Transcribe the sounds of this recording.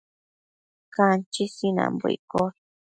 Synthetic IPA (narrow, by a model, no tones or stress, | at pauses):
kant͡ʃisinã̰mbuḭko